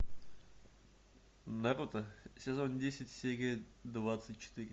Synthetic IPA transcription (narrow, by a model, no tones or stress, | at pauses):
naɾut̪əsʲɪzonʲdʲesʲɪtʲsʲeɡʲe | d̪vat̪sɨtʲt͡ʃɪ̥t̪ɨɾʲɪ